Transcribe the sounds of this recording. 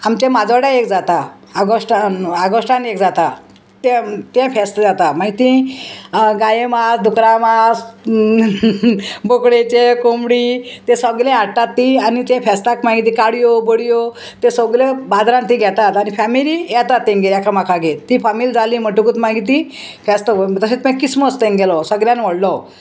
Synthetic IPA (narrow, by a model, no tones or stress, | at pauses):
amt͡ɕemad͡zʋaɽaekd͡zat̪aː | ɡoʂʈaaɡoʂʈanekd͡zat̪a | t̪ẽt̪ẽfɛst̪əd͡zat̪amaɡit̪ĩ | ɡajemasd̪ʱukɾamas | bokɽet͡ɕekomɽit̪esəɡlẽaʈat̪ːianit̪ẽfɛst̪akmãɡit̪̬iːkaɽijobəɽijo | t̪ẽsəɡlebad̪ɾãnt̪iɡʱɛt̪at̪anifɛmilijɛt̪at̪ːẽŋɡeljakʰamakʰaɡet̪ːifamild͡zaliːməʈukut̪mãɡit̪̬i | fɛst̪ət̪əset͡smɛ̃kisməst̪ẽŋɡɛlɔsəɡljãnʋəɽlɔ